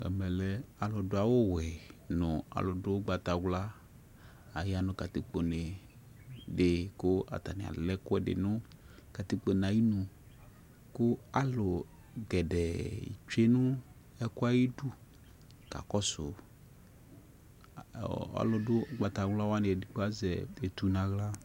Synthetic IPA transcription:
ɛ̰˨mɛ˨lɛ˦a˨lʊ˨dʊ˦a˨wo˦wɛ˨nʊ̃˨a̰˨lʊ˨dʊ˦ɡ͡ba˨t̪a˨ɡla˦ | a˨ja˦nʊ̃˦ka˨t̪i˦k͡po˨ne˨ | dɪ˨kʊ˦a̰˨t̪a˨nɪ̰̃˨a̰˨lɛ˦kʊ˦ɛ˦ɖɪ̰˨nʊ̃˦ | ka˨t̪i˦k͡po˨nã˨ji˦nũ˨ | kʊ˦a˨lʊ˨ | ɡɛ˨dɛ̰˨t͡ʃe˦nʊ˦ | ɛ˦kʊ˦a˦ji˦du˦ | ka̰˨kɔ˦sʊ˨ | a̰˨˦lʊ˨dʊ˦ɡ͡ba˨ta˨ɡla˦wa˦nɪ˨ɛ˨dɪ˦k͡pʊ˦a˦zɛ˨e˨tu˨nã˨ɣla˦

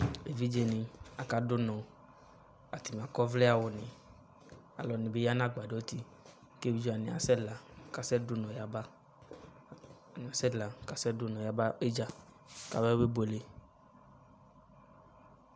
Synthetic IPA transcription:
e˨vi˦d͡ʒe˨nĩ˨a˨ka˨do˦nɔ̃˨ | a˨t̪i˨m˨a˨kɔ˦vlɛ˦a˨wo˨nĩ˨ | a̰˨lɔ˨nĩ˨be˦ja˦nã˦ɡ͡ba˨de˨˦ɔ˦t̪i˦ | ke˦bi˦d͡ʒo˦a˨nĩ˨a̰˨sɛ˦la˨ka˨sɛ˦do˦nɔ̃˨ja˨ba˦˨ | ni˨a˨sɛ˦la˨ka˨sɛ˦dʊ˦nɔ̃˨ja˨ba˦e˦d͡ʒa˦ | ka˨bɛ˦be˦bo˨le˨˦

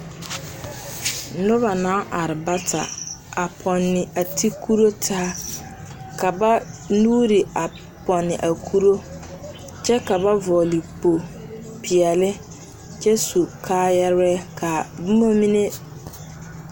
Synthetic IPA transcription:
nʊ˦βa˨nã˦ʔa˨ɾɪ˨ba˦tʰa̰˨a˨pʰɔ˨nːɪ˨a˨tʰi˦kʰu˦ɾo˦tʰa˦a˦ | ka˨ba˦nuː˦ɾi˨a˨ | pɔ˨nːɪ˨ʔa˨kʰu˦ɾo˦ | t͡ʃɛ˦ka˨ba˦vɔː˨li˨po˨ | pʰi˨ɛ˨lɪ˦ | t͡ʃɛ˦su˨kʰaː˦jɛ˦ɾɛ˦kʰa˨bmo˦mĩ˦ne˦

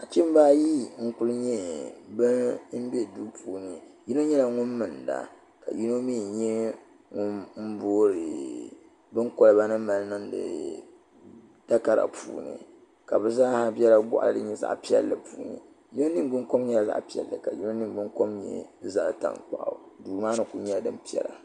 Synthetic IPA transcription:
a˨t͡ʃi˦m˦baː˦ji˦ŋ̩˦kʊ˦lɨ˦ɲɛ˦bɨ˦m̩˦be˦du˦pʰuː˨nɨ˨ji˦no˦ɲɛ˦la˨ŋʊ˦nːɨ˨nda̰˨ | ka̰˨ji˦no˦mi˦˨ɲɛ˦ | ŋʊ˦nm̩˦boː˦ɾɨ˨ | bɨ˦ŋko˦lɨ˨˦ba˦nɨ˦ma˨lnɨ˦ŋdɨ̰˨ | ta˦ka˦ɾa̰˨pʰṵː˨nɨ̰˨ | ka˨bɨ˨zaː˦ha˦bi˦ɛ˦la˦ɡʷʊ̰˦ʔa̰˨ldɨ̰˦ɲɛ˦za̰˦ʔpi˦ɛ̰˦lːɨ˨puː˨˦nɨ̰˨ | ji˦no˦ni˦ɡ͡bɨ˦ŋko˦mɲɛ˦la˨za̰˦˨ʔpi˦ɛ̰˨lːɨ˨ka˨ji˦no˦ni˦˨ɡ͡bɨ˦ŋko˦mɲɛ̰˦za˦ʔta̰˨ŋk͡pa̰˨ʔduː˨maː˦nɨ˨ku˨ɲɛ˦la˨dɨ˦m˦pi˦ɛ̰˦la˨

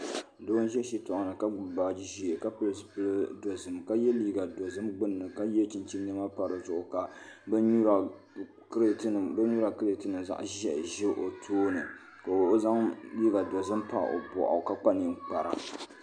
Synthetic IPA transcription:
doː˦n˦ʒɛ˦ʃi˦tɔ˨ʔʊ˨nɨ˨ka˦ɡ͡bʊ˨baː˨d͡ʒi˦ʒi˦˨e˨ka˦pɨ˦lspɨ˦ldo˨zɨ˨mka˦jɛ˦liː˦ɡa˨do˨zɨ˦mɡ͡bɨ˦nːɨ˨ka˦jɛ˦t͡ʃi˦nt͡ʃi˦nɛ˦ma˦pa˨ɾɨ˨zʊ˨ʔʊ˨ka˨bu˦a˨ | kɾbɨ˦nu˦ɾa˨kɨ˦ɾe˨tɨ˦nɨ˨mza̰˦ʔʒɛ˦ʔʒɛ˦ʔo˨tʰoː˦nɨ˨ | ka˨o˨˦za˦ŋliː˦ɡa˨do˨zɨ˦mpa˨ʔo̰˨bɔ̰˨ʔɔ̰˨ka˦k͡pa˦ni˨ŋk͡pa˨ɾa̰˨

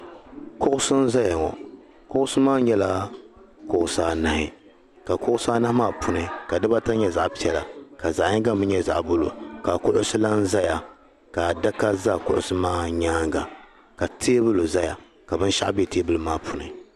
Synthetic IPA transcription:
kʊ˦ʔʊ˦sɨ˦n˦za˦ja˨ŋɔ̰˨ | kʊ˦ʔʊ˦sɨ˦maː˦ɲɛ˦la˦ | kʊ˦ʔʊ˨saː˦na˨hɪ˨ | ka˨kʊ˦ʔʊ˦saː˦na˦hmaː˦˨pʊ˨nɨ˨ka˨dɨ˦ba˦ta˦ɲɛ˦za˨ʔpi˦ɛ˨la̰˨ka˨za˨ʔɲɪ˦ŋɡa˦m˦bɨ˦ɲɛ˦za̰˨ʔbʊ˦lo̰˨ka˨kʊ˦ʔʊ˦sɨ˦la˦n̩˦za˦ja˨ | ka˨da˦ka˦za˦˨kʊ˦˨ʔʊ̰˦˨sɨ˦maː˦ɲaː˦ŋɡa˨ | ka˨tʰeː˦bɨ˦lo˨za˦ja̰˨ | ka˨bɨ˦n˦ʃa̰˦ʔbe˦˨te˦bɨ˦lɨ˦maː˦pʰʊ˨nɨ̰˨

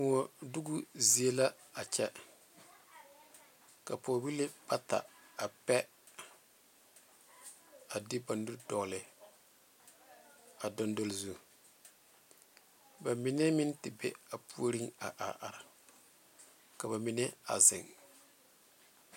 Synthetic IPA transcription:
ŋɔ˨du˦ɡu˦zi˨e˦la˦ | a˨t͡ʃɛ˦ | ka˨poː˨bi˦le˦b̥a˦ta̰˨ | a˨pɛ˦ | a˨dɪ˦ba˨ndu˦ɾdɔ˨ɣlɪ˨ | a˨dɔ˦ndo˦lzu˦˨ | ba˨mɪ˨nɛ˦mɪ˦ntɪ˨bɛ̰˦a˨pu˦o˦ɾi˦ŋa̰˨ʔa̰˨ʔa̰˨ɾɪ˨ | ka˨βa˨mɪ˨nɛ˦a̰˨zɪ̰˨ŋ

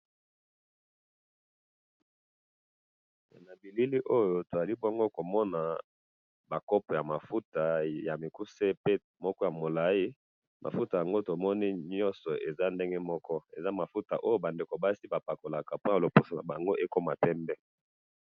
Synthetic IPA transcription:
na˨bi˨li˦li˦ʔo˦jo˦to˨za˨li˦bo˦ŋɡo˦ko˨mɔ˦na˨ | ba˨kɔ˦pɔ˨ja˨ma˨fu˦ta˨ja˨mi˨ku˦se˦pe˦ | mɔ˦kɔ˦ja˨mo˨la˨ji˦ | mʔa̰˨fu˦ta˨ja˨ŋɡo˦to˨mɔ˦ni˦ɲɔ̃˦nsɔ˨ʔe˨za˦nde˦ŋɡe˦mɔ˦kɔ˦e˨za˦ma˨fu˦ta̰˨ʔo˦jo˦ba˨nde˨ko˨ba˦si˦ba˨pa˨ko˨la˨ka˨po˦a˨lo˨po˨sa˨na̰˨ba˨ŋɡo˦ʔe˦ko˦ma˨pɛ˦mbɛ˦

